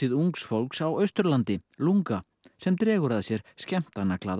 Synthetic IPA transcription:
ɪðuŋksfowlksawœɥst̪ʏɾlant̪ɪluŋka | sɛmt̪ɾɛːɣʏɾaðasjɛɾ̥scɛm̥t̪anaklaːð

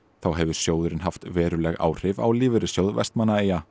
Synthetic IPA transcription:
θawɦɛvʏɾ̥sjoːwðʏɾɪnɦaft̪vɛːɾʏlɛɣa̰ːwr̥ɪva̰wlɪːvɪɾɪsjowðvɛ̰st̪manːaeːja

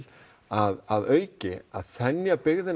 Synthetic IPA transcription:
aðaðœːɥcɪaðθɛnjapɪɣðɪn

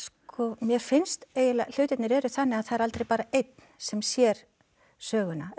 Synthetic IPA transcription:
skʰɔmjɛɾfɪnst̪eːjɪlal̥ʏːɥt̪ɪt̪nɪɾɛɾʏθanːɪaðθaðɛɾalt̪ɾejpaːɾaejt̪̚n̥sɛmsjɛɾ̥ | sœːɣʏna

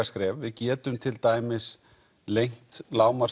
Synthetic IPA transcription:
askɾɛːvːɪðcɛːt̪ʏmt̪ʰɪlt̪aːjmɪs | lejŋ̥t̪laːwmaɾ

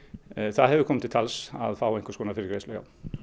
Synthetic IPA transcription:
θaðɦɛvʏkʰɔmːɪt̪ʰɪlt̪ʰalsa̰ðfaːwɛjŋ̥kɔskoːnafɪɾkɾejslœja̰w

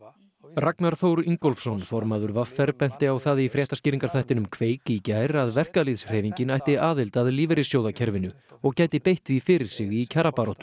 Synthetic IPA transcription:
raknaɾ̥θowɾiŋkɔlfsɔnfɔɾmaðʏɾvafːɛɾpɛn̥t̪ɪawθaðifɾjɛːht̪ascɪːɾiŋkaɾ̥θajht̪ɪnʏmkʰveːjkliːcajɾaðvɛr̥kaliðsr̥ɛːviɲcɪnajht̪ɪaːðɪlt̪aðliːvɛɾɪsjoːwðacʰɛɾvɪnʏ | ɔɣcaːjt̪ɪpejht̪vifɪɾɪɾ̥sɪɣicʰaɾapaːɾoht̪m

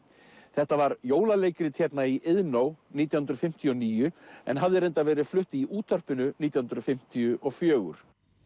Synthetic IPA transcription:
θɛht̪avaɾjoːwlaleːjcɾɪt̪ʰjɛpnaiʔɪðnoːwniːt̪̬jahnɾʏ̥fɪm̥t̪ʰijɔniːjʏɛ̰nɦavðɪɾejnt̪avɛːɾɪðflʏht̪ɪiʔuːt̪ʰœr̥pɪnʏniːt̪jahunɾʏðfɪm̥t̪ʰijʏʔɔfjœːɣʏ̰ɾ̥

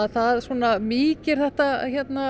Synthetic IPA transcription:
ðθaðsvɔːnamiːcɪɾ̥θɛht̪açɛt̪na

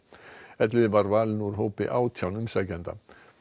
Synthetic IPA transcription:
ɛt̪lɪbaɾʋaːlnuɾɦoːpḛʔawt̪ʰjawnʏmsaɡɛnd̪a̰

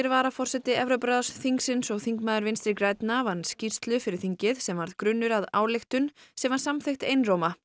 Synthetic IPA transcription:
ɛɾvaɾafɔr̥sɛt̪ɪɛvɾopɾaðasθiŋksɪnsɔɣθiŋkmaːðʏɾvɪnst̪ɾɪkɾaːjt̪navanscirst̪lʏfɪɾɪɾ̥θiɲcɪðsɛmvaɾðkɾʏnːʏɾaða̰ːwlext̪ʏnsɛmvaɾ̥samθext̪ejnroːwma

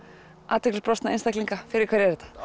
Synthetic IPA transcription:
ʔaːt̪ɛklɪspɾɔst̪naenst̪ajkliŋkafɪɾɪɾkʰvɛɾjɛɾɛt̪ḁ

